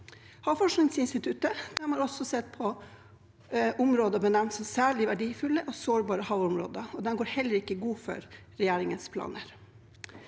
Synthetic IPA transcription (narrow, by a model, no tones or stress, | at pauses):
hɑːʋfɔʂknɪŋsɪnst̪ɪt̪ʰʉt̪əd̪̥ɛnmhɑɾɔsɔsɛt̪̚pʰɔ | ʔʊmɾoːd̪əbənɛmnt̪sɔmsæːɭɪʋæɖiːfʉlːəʔɔsoːɾbɑːɾəhɑʋʊmɾo̰ːd̪əɔd̪ɛnɡoːɾhɛlːəɾɪkːəɡuːfɔ̰ɾɾɛjeːɾɪŋənspʰlɑ̰ːnəɾ